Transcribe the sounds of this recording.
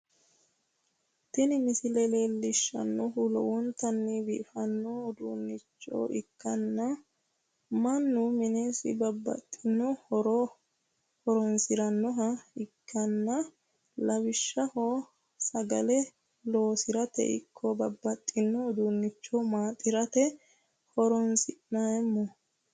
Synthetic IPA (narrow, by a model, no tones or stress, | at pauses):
t̪ɛnɪmɪsɪlɛleːlːɪʃːɐ̰nːɔɦʊlɔ̰ʔʊnt̪ɐnːɪbifɐnːɔd̪uːnːɪt͡ʃːo̰ːʔɪkːɐnːɐ | mɐnːʊmɪneːsɪ̰bɐbːɐ̰t̪ʼːɪnːɔɾɔ | hɔɾɔnsɪɾɐnːɔɦɐɪkʰːɐnːɐ | lɐwɪʃːɐho | sɐɡɐlɛ | lo̞ːsɪɾɐt̪ɛ̰ʔɪ̰kʰːɔbɐbːɐt̪ʼːɪnːɔːd̪unːɪt͡ʃːɔmaːt̪ʼːɪɾɐt̪ɛ | hɔɾɔnsɪʔnajɛmːɔ